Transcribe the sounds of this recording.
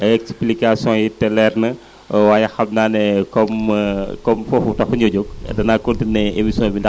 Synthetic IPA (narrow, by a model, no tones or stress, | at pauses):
ɐɛksplikasɔ̃jitɛlɛrnɐ | waːjɐxɐmnaːnɛkɔmkɔmfɔfutɐxuɲɔɟok̚ɛ̰dɐnaːkotinɛemisjɔ̃binda